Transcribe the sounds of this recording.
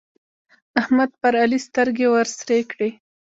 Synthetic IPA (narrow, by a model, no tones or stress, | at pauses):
ahmad̪̚paɾalist̪əɾɡewaɾsɾekɽe